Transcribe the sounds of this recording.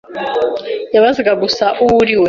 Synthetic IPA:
jaβaziɡaɡusaʔuwuɾiwe

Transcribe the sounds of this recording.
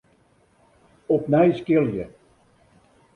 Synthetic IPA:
ɔpnɛjskɪlˠjə̰

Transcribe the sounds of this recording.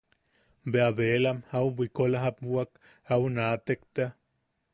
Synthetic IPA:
beaβelamhauwbʷikolaɦap̚wak | awnat̪ekt̪a

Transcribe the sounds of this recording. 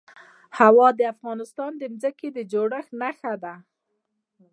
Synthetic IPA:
hawɑd̪əafɣɑnɪst̪ɑnd̪əmzəked̪əd͡ʒoɽəxnaxad̪a

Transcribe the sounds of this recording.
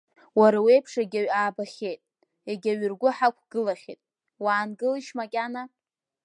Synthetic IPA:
waɾawejpʰʂeɡʲaɥaːbaχʲe̞jtʼ | eɡʲaɥʏrɡʷʊħakʷʰɡ̥ɨlaχʲḛtʼ | waːnɡɨliʃmakʲʼana

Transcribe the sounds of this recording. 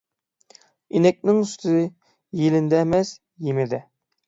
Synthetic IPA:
inɛk̚ʲnɪŋyst̪ʰɪzɪ | jelɪnd̪ɛmɛs | jemɪd̪ɪ

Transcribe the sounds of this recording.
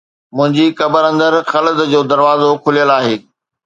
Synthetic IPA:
mʊ̃ɦɪ̃ɲd͡ʑikɐbəɾɐ̃nd̪əɾxɐləzd͡ʑoːd̪ɐɾʋaːzokʰʊlijəlaːɦeː

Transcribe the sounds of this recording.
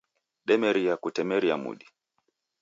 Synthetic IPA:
ɗɛmɛɾiakutɛmɛɾiamṵɗi̥

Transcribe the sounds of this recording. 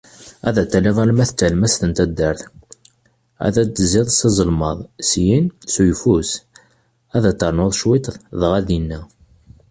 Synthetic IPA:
æ̰ðæt̪ːæliðˤælmæθt͡s̪ːəlmæst̪ənt̪æd̪ːəɾθ | æ̰ðæt͡s̪ːziðˤsizˤəlmɑðˤsjinsujfus | æðæt̪ːəɾˤnoðˤʃwit̪ˤðˤðʁæðjinːæ

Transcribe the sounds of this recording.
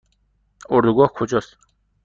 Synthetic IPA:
oɾd̪uɡɔhkʰod͡ʑɔs

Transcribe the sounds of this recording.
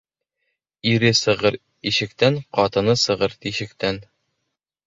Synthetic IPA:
iɾɘsɤ̆ʁɤɾ | iɕɘ̆kt̪æɴqɒt̪ɤ̆nɤsɤ̆ʁɤɾt̪iɕɘ̆kt̪æn

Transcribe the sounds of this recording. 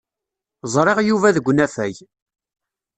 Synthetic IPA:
zˤɾˤeʁjuvæðəɡʷnæfæj

